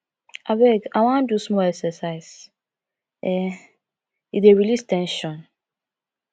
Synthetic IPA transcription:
abɛɡawãn̩dusmɔlɛksɛsaɪs | ɛ | ideɹilistɛ̃nʃɔ̃n

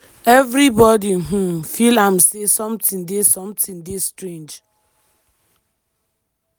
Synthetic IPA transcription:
ɛvɾibɔdiɦũmfilam̩sesɔ̃mtĩndesɔ̃mtĩŋdestɾẽnd͡ʒ

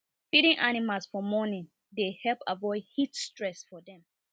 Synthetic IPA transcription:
fiɾĩŋʔanimalˠsfɔmɔnĩn | dehɛlˠpʰavɔɪd̚hitstɹɛsfɔdɛ̃m

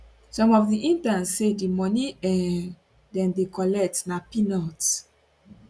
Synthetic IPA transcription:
sɔ̃mɔfdiʔĩntãnsːedimɔniɛ | dɛ̃ndekɔlɛk̚tnapinɔt

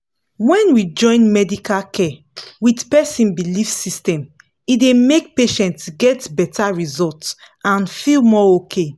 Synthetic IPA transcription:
wɛ̃nwid͡ʒɔ̃ɪ̃nmɛdikalkʰɛ | witpɛsĩnbilifsistɛ̃m | idemek̚peʃɛ̃ntsɡɛtbɛtaɹizɔlts | ãnfilmɔokʰe

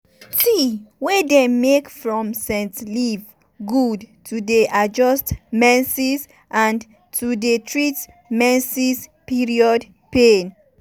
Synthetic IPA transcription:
tiwɛdɛmːekfɹɔ̃msɛ̃ntliv | ɡudtʰudeʔad͡ʒɔstmɛ̃nsiz | ʔãn | tʰudetʰɹit | mɛ̃nsispiɹiɔd | pen

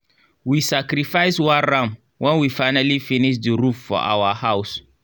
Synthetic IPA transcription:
wisakɾifaɪswaɾãm | wʔɛ̃nwifaɪnalifinɪʃ̬dəɾuffɔ̰ʔa̰wahaws

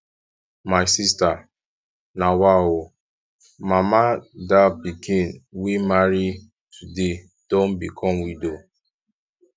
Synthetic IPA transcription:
maɪsista | nawao | mamadapikʰĩnwimaɾi | tʰude | d̥õnbikʰɔmwido

